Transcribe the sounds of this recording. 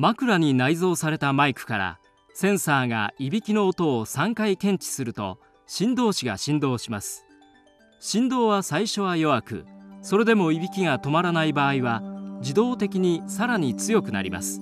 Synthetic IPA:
makɯ̟ɾaɲ̟inaizo̞ːsaɾe̞t̪amaikɯ̟̥kaɾa̰ | sẽ̞ɰ̃saːɡa̰ibʲikʲino̞ːt̪o̞ːsãŋkaikẽ̞ɲ̟t͡ɕi̥sɨɾɯ̟t̪o̞̰ | ɕĩnd̪o̞ːɕiɡa̰ɕĩnd̪o̞ːɕimasɨ̥ | ɕĩnd̪o̞ːβasaiɕo̞β̞ajo̞βakɯ̟̰so̞ɾe̞d̪e̞mo̞ibʲikʲiɡat̪o̞maɾanaibaːiβad͡ʑid̪o̞ːt̪e̞kʲiɲ̟isaɾaɲ̟it͡sɨjo̞kɯ̟na̰ɾʲḭma̰sɨ̥

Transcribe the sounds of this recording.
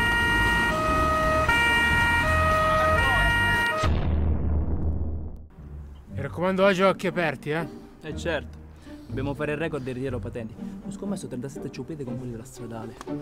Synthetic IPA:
mirakːomand̪oad͡ʒɔkːiapɛrt̪iɛ | ɛt͡ʃːɛɾt̪o̥ | d̪̥objaːmofaːɾeirːɛkoɾd̪irit̪iɾopat̪ɛnt̪iɔskomːɛsːot̪ɾɛnt̪asɛt̪ːet͡ʃiupiːt̪ekomfusid̪elast̪ɾad̪aːle

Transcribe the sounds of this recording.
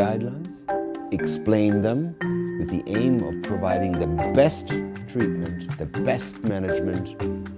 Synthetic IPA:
aɪdˡlãɪ̃ndz̥ɨksplẽɪ̃nðə̃mwɨðḭʔẽɪ̃mʌ̰v̥pʰɹ̥əvaɪɾɪ̃ŋðɨbɛstʰ | ɹ̥it̚mɨ̃nt̪ðɨbɛst̚mænɨd͡ʒmɨ̃nt

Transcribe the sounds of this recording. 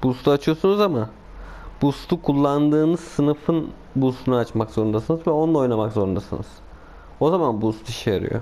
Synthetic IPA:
bust̪ʰuat͡ʃʰɯjo̞sunuzama | b̥ust̪ʰukʰulˠːand̪ɯːnɯz̥sɯnɯfɯn | bust̪ʰunaat͡ʃmakzo̞ɾund̪asɯnɯzvɛo̞nlˠao̞jnamakzo̞ɾund̪asɯ̰nɯ̰z̥ | o̞zamanbust̪ʰiʃɛja̰ɾɯ̰jo̰

